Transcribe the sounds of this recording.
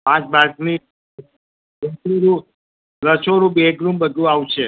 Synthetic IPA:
pãt͡ʃbakni | əsuɾu | ɾət͡ʃʰoɾubeɡɾumbəd̪ʱũawt͡ʃʰe

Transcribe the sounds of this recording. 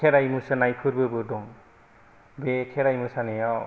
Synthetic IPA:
kʰeɾajmusɯnajkʰɯɾbɯbɯdɔŋ | bekʰeɾajmɯsanijaw

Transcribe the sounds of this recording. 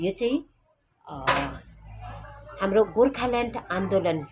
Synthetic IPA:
jot͡sãĩ | hamɾoɡorkʰalaɳʈãnd̪olʌn

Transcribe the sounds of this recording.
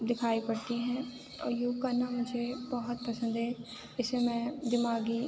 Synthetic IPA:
d̪ɪkʰaːipɐɽt̪iɦɛ̃ | ɔ̰ːɾjuːkɐɾnamʊd͡ʒʱebɐɦʊt̪̚pɐsə̃nd̪ɦɛː | ɪsemɛ̃ːd̪ɪmaːɡi

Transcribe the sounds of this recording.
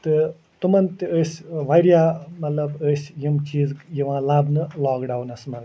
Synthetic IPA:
t̪ɨ | t̪umɐnt̪iəsʲʋajɾjaːmɐt̪lɐbəːsʲjimt͡ʃiːzjiʋãːlabnɨlaːkɖaːwnɐsmɐɾ

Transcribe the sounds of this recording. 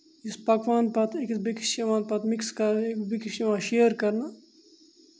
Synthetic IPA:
ispɐkʋaːnpɐt̪ʰekbiki̥ʃɐʋãːnpɐt̪mikskɐɾekbikiʃiʋãːʃeːɐɾkɐɾna

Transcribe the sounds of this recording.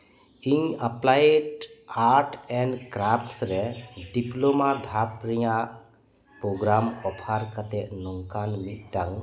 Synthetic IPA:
iɲaplajeʈaɾʈɛ̃ɳɖkɾapʰʈsɾɛɖiplomad̪ʱapɾɛjaʔ | pɾoɡɾamɔpʰaɾkat̪ɛʔnɔŋkanmit̪̚ˀʈaŋ

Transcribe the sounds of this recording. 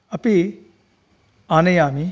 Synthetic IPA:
ɐpi | aːnejaːmi

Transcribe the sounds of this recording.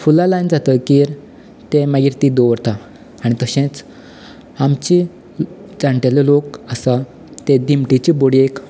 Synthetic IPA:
fulalajnd͡zat̪əkiːɾ | t̪emaɡiɾt̪id̪oʋɾt̪a | aɽ̃it̪əɕẽt͡s | amt͡ɕi | d͡zãɳʈelelokəsa | t̪ed̪imʈit͡ɕiboɽiek

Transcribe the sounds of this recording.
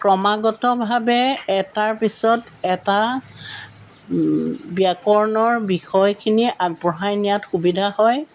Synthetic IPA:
kɹɔmaɡɔtɔbʱabɛɛtaɹpisɔt | ɛta | biakɔɹnɔɹbixɔjkʰiniʔaɡ̚bɔɦajnijatxubidʱahɔj

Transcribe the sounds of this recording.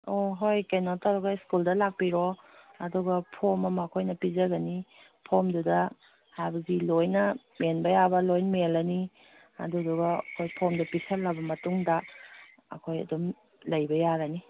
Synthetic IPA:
oɦojkenotaɡaiskuldɐlak̚piɾo | ɐduɡɐpʰomɐmɐːkʰojnɐpizɐɡɐni | pʰomdudɐ | hajbɐɡilojnɐmenbɐjabɐlojnmelɐni | ɐ̰duduɡɐɐ̰kʰojpʰomdupisɐɾlɐbɐmɐtuŋdɐ | ɐ̰kʰojɐ̰dum | lɐjbɐjaɾɐni

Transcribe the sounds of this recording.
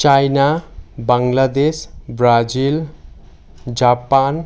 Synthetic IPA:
t͡ʃajnabaŋlad̪esbrad͡zil | d͡zapan

